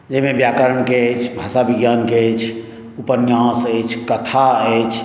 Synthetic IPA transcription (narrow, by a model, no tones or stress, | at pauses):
d͡ʒəɦmebjakəɾəɳkeət͡ʃʰbʱasabiɡjankeət͡ʃʰ | upənjãsəjt͡ʃʰkət̪ʰaəjt͡ʃʰ